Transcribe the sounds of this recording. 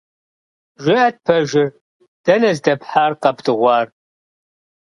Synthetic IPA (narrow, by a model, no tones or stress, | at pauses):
ʒʷɪɐt̚pʰɐʒɪr | d̥ɐnɐzdɐpħaːrqɐpdɨʁʷɑːr